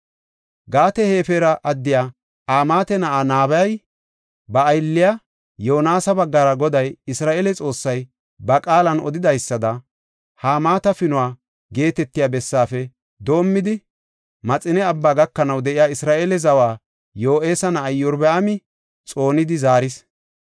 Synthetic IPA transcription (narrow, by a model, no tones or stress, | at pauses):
ɡaːt̪ɛhe̞ːfeɾɐʔɐd̪ːɪjaː | ʔaːmaːt̪ɛnɐʔaːnaːbɐjɐj | bɐːjlːɪja | jo̞ːnaːsɐbɐɡːɐɾɐɡɔd̪ɐjɪsɾaːʔeːlɛt͡sʼo̞ːsːɐj | bɐkʼaːlɐnɔ̰d̪ɪd̪ɐjsːɐd̪ɐ | haːmaːt̪ɐfɪnʊwaː | ɡe̞ːt̪ɛt̪ːɪjaːbɛsːaːfɛ | d̪o̞ːmːɪd̪ɪ | mɐt͡sʼɪnɛɐbːaːɡɐkːɐnɐwd̪ɛʔɪjaːɪsɾaːʔeːlɛzɐwaː | joːʔeːsɐnɐʔːjːɔɾbɛɐmɪ | t͡sʼo̞ːnɪd̪ɪzaːɾɪs